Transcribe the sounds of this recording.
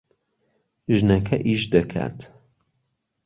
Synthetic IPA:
ʒnɐkʰɐʔiːʃd̪ɐkʰa̰ːt̪ʰ

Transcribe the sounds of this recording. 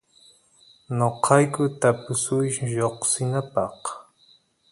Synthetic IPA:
noqʰɑjkʊt̪apʊsʊjjoqsɪnapɑq

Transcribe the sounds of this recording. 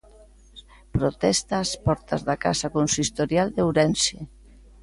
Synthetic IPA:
pɾot̪ɛst̪aspɔɾt̪azðaka̰sakonsist̪oɾjald̪ewɾɛnse

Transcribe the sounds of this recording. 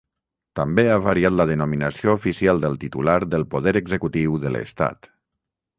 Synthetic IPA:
t̪əmbeaβaɾiat̪ləðənuminəsioufisialˠd̪əlˠt̪it̪ulaɾðəlˠpuðɛɾəɡzəkut̪iwðələ̰st̪a̰t̪

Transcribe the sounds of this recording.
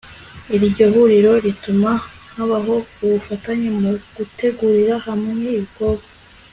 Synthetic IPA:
iɾɟo̞ɦuɾiɾo̞ɾituma | ŋ̥haβaɦo̞uβufataɲemuɡ̥ute̞ɡuɾiɾahamŋeiβɡoɡa

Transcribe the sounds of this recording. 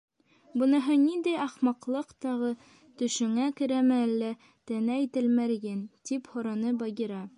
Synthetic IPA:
bɤ̆nɤ̆ɦɤnind̪æjɑχmɑqlˠɤqt̪ɒʁɤ | t̪ɵ̆ʃɘ̆ŋækɘ̆ɾæmæælːæ | t̪ænæit̪ɘ̆lmæɾɡɘnt̪iphŏɾɑnɤbɑɡʲiɾɑ

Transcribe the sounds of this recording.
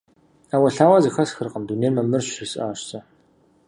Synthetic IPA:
aːwɐɬaːwaːzɨxɐsxɨrqəmduneːrmɐmɨrɕɪsaːɕt͡sʼɐ

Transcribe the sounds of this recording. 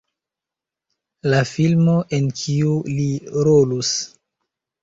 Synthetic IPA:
lafilmo̞ʔenkʰiuliɾolus

